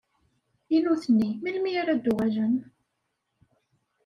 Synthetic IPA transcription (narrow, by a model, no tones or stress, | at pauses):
inuθənːimilmiaɾæd̪ːuʁæʒən